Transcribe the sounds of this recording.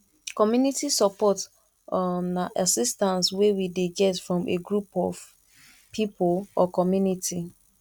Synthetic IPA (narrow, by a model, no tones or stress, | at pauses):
kɔmjunitisɔpɔt | naʔasistãnswewideɡɛtfɹɔ̃meɡɹupɔv | pʰipʰolɔkɔmjunitʰi